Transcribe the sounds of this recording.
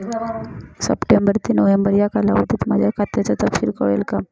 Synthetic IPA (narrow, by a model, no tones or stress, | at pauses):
sə̰pʈembəɾt̪iːnoʋembəɾjakalaʋət̪iːt̪mad͡ʑʱjakʰat̪jat͡sat̪əpsiɾkəʋelkam